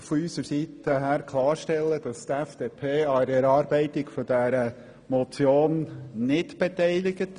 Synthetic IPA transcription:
fɔysəɾsit̪əɦæːɾkʰlˠɑːɾʃtɛlːəd̥ɑst̪ɛfd̥eːpʰeːɑɾɛɾɑːɾbɛɪt̪ɪkfɔd̥æɾə | mɔt͡sjoːnnɪdb̥et̪ɛɪlɪɡət

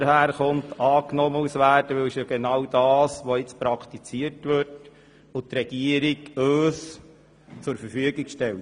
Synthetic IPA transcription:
ɾhæːɾχʊntɑːknɔməusʋæːrd̥əʋɪlʃjɑɡ̥enɑwdɑːsʋoɪt͡spɾɑkʰt̪it͡siəɾtʋɪt | ʊt̪ɾɛɡ̥iəɾikøːs | t͡sʊɾfəɾfyəɡɪkʃtɛlt

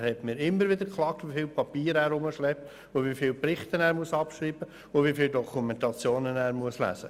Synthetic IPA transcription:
hɛtmɪːɾɪmːəɾʋɪd̪əɾkχlˠɑːk̚tʋifiːlpɑpiːɾæːɾʊməʃlɛp̚t̪ | ʊʋifɪːlpɾɪχt̪ənæːɾmuəsɑpʃɾiːb̥ə | ʊtʋifɪːldɔkʰumɛnt̪ɑt͡sjoːnənæːɾmuəslæ̰ːsə

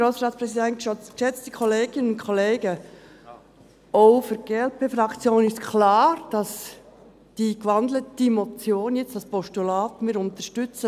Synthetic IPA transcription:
ɾoːsɾɑːt͡spɾɛsidɛntʃɔt͡sʃɛt͡std̥ikʰɔleːɡɪnənʊnkʰɔleːɡə | ʔoʊfyɾɡ̥eːɛlpʰeːfɾɑkt͡sjoːnɪstkʰlɑːɾd̥ɑs | d̥iːkʋɑndlətd̥imɔp̚t͡sjoːnjɛt͡stɑspɔʃtulaːtmiːɾʊnt̪əʃtʏt͡sə

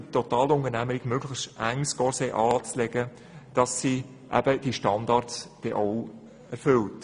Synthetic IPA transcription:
tɔtɑːlʊnəɾnæməɾɪɡ̥møɡləstʔæŋskɔɾsɛʔɑːt͡slɛɡə | d̥ɑsːi | ʔæ̰b̥əd̥iʃtɑndɑɾtsd̥ɛʔɔw | ʔɛɾfʏlt

